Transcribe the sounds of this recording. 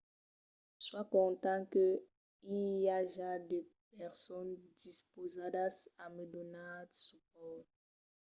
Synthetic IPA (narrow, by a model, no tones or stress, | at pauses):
swakɔ̃t̪ɑ̃kə | iljaʒad̪ep̚ɛʁsɔnd̪ispozadasaməd̪ɔnasip̚ɔ